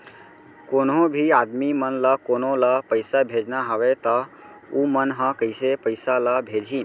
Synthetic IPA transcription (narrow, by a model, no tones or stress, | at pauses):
koːnõbʱiaːd̪mimənlakoːnõlapəɪsabʱed͡ʒnaɦəʋet̪ɔ | umənɦə̃kəɪsepəɪsalabʱeːd͡ʒʱiː